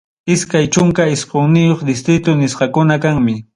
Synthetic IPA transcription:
ɪskajt͡ʃʊŋkaɪsqoŋnɪjoχd̪ɪst̪ɾɪt̪ʊnɪsqɑkʊnakaŋmɪ

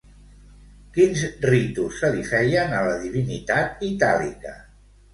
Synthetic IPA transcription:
kinzrit̪usːəlifɛjənələðiβinit̪at̪it̪alḭkə̰

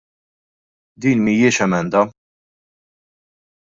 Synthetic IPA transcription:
d̪iːnmijɪːʃɛmɛnd̪ɐ

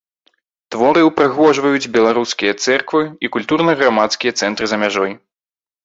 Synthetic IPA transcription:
t̪vɔɾɨwpɾɨɣɔʐvɐjud͡zʲbʲɛlˠaɾuskʲijɐt̪sɛrkvɨikulʲt̪uɾnɐɣɾamat̪skʲijɐt̪sɛnt̪ɾɨzɐmʲaʐɔj

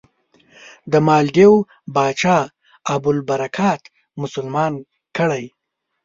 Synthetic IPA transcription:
d̪əmɑːlɖew | bɑːt͡ʃɑː | abʊlbaɾakʰɑːt̪ | mʊsʊlmɑːn | kəɽaj

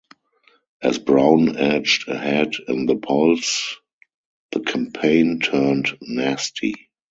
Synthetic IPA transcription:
ʔæ̰zbɹãʊ̃nɛd͡ʒdə̰hɛdɪ̰̃nðəpʰɔls | ðəkʰãmpʰẽɪ̃ntʰɜ˞ntnæstʰḭ

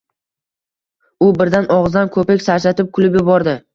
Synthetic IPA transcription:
ʊbɪɾd̪anʔɒʁzd̪ankʰɵpekʲsaɾt͡ʃat̪ʰɪp̚kʰʊlɪbjɪbɒɾd̪ɪ

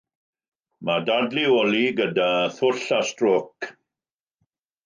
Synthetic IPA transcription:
madadlioliɡədaθʊɬastrok

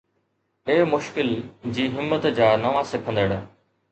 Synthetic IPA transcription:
eːmʊʃkɪld͡ʑiːɦɪmːət̪d͡ʑaːnɐʋãsɪkʰə̃nd̪əɽ

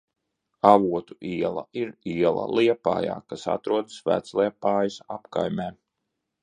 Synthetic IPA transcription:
avuɔt̪u̥ʔiɛlˠɐ̰iɾiɛlˠɐ̰lˠiɛpa̰ːja̰ːkasa̰t̪ɾuɔd̪svæ̰ːt̪slˠiɛpaːjusapka̰jmʲeː

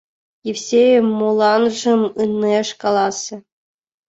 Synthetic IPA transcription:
jefsʲejmolˠɑnʐɤ̆mɯnːeʂkɑlˠɑsʲɤ̆

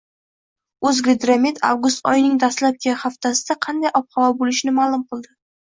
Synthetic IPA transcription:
ɵzɡʲed̪ɾamet̪a̰vɡʊst̪ɒjnɪŋd̪ast̪lap̚kʲʰaχaft̪ʰasɪd̪aqʰɑnd̪ajʔɒp̚χɒlɒbolɪʃnɪmaːlˠʊmqʰɨlˠd̪ɪ

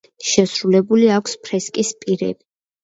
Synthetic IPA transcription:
ʃɛsɾulɛbuliakʰspʰɾɛskʼispʼiɾɛ̰b̥i

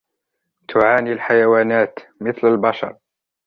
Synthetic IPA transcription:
t̪ʰʊʕaːnilħajawaːnaːt̪mɪθlalbɑʃɑ̰ɾˤ

